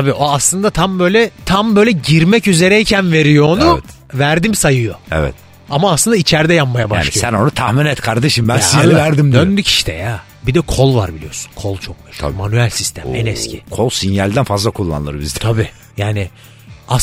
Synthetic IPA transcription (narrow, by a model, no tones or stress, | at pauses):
t̪abiʔoaslˠɯnd̪at̪ʰambø̞jlʲɛt̪ʰambø̞jlʲɛɟiɾmɛcyze̞ɾɛicʰænve̞ɾijoːnuɛt̪ | væɾd̪imsajɯjoɛ̰vɛ̰t̪̚ | amaːslˠɯnd̪ait͡ʃʰæɾd̪ɛjapmajabaaʃːnissænonut̪ʰahminɛt̪kʰaɾd̪eʃimbænsijalʲivæɾd̪imd̪d̪ønd̪ycʰi̥ʃt̪ʰɛ̰ja | bid̪ɛkʰolˠva̰ɾbilʲijo̞su̥nkʰolˠt͡ʃʰok̚myʃʰmanyælʲsist̪ʰæmɛ̰nɛscʰḭkʰolˠsinjalʲd̪ænfazlˠakʰulˠːa̰nlˠɯɾbḭzd̪ɛt̪ʰabiː | jaːnɪ | as